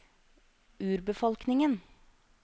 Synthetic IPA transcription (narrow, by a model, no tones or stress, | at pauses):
ʉːɾbəfɔlknɪŋən